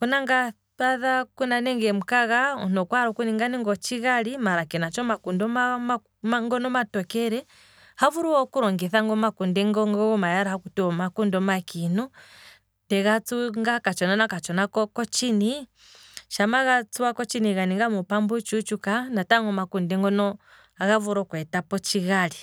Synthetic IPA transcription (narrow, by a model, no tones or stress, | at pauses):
kunaŋɡa | aðakunanɛŋɡɛm̩kaɣaɔ̰nɔkwaɾɔkuniŋɡaniŋɡɔt͡ʃiɣalimaɾakɛnat͡ʃɔmakundɔmam | maŋɡɔnɔmatɔkɛɾɛ | havuɾuwɔkuɾɔŋɡɛθaŋɡɔmakundɛŋɡɔŋɡɔmajaɾahakutɛɔmakundɔmakinu | tɛɣat͡suŋɡakat͡ʃɔnanakat͡ʃɔnakɔkɔt͡ʃini | ʃamaɣat͡suakɔt͡ʃiniɣaniŋɡamupambut͡ʃut͡ʃukanataŋɡɔmakundɛŋɡɔnɔ | aɣavuɾɔkwɛtapɔt͡ʃiɣali